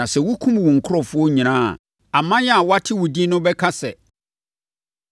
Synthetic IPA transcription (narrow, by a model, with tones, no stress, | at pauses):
ã˨sɛ˨wʊ˦kʰũ˦m˨wɔ̃˨ŋ̩˨kʰʊ˦ɾɔ˨fʊ˦ɔ˦ɲĩ˨nã̰ː˦˨ | a˨mã˦jɛ˦a˨wɔ˦a˦tʰɪ˦wʊ˨di˦nʊ̃˦bɛ˦kʰa˦sɛ˨